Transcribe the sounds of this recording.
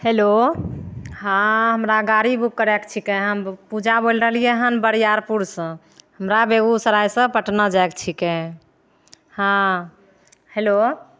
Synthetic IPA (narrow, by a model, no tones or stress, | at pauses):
helo | ɦãɦəmɾaɡaɾibukːəɾɛkt͡ʃʰikɛɦəmpud͡ʒʱabolɾəɦəlijeɦənbəɾjaɾpuɾsə̃ | həmɾabeɡusəɾajsə̃pəʈnəd͡ʒaekt͡ʃʰikɛ | hã | helo